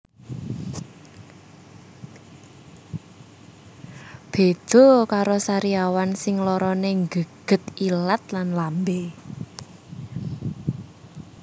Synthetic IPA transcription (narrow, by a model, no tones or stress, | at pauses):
b̥e̤d̪̥o̤kaɾosaɾiawansɪŋlɔɾɔneŋɡəɡ̥ə̤t̪ilat̪̚lanlambe